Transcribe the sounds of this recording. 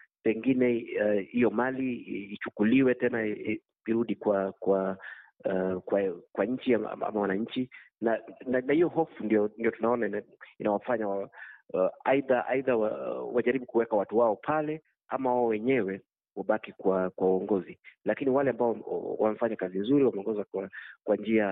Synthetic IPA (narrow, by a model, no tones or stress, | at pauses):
pɛŋɡinɛhijɔmaliːt͡ʃukuliwɛtɛna | iɾuɗikwakwa | kwakwaɲ̩t͡ʃia̰a̰mawanaɲt͡ʃi | nananahijɔhɔfundijɔndijɔtunaɔnaninawafaɲawa | aiðaʔa̰iðawawaʄaɾiɓukuwɛkawatuwaɔpʰalɛ | a̰mawaɔwɛɲɛwɛ | waɓakikwakwauɔŋɡɔzilakiniwalɛambaɔ̰wam̩faɲakazinzuɾiwamɛɔŋɡɔzakwakwand͡ʒia